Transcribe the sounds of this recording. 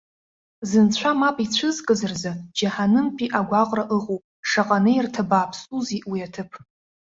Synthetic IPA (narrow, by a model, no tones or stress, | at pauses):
zɨnt͡ɕʷʰamapʼit͡ɕʷʰɨzkʼɨzɨrzad͡ʒaħanɨmpʼiʔaɡʷaqʼraʔɨqʼupʼʂaqʼanejrtʰabaːpʰsuziʔwiatʰɨpʰ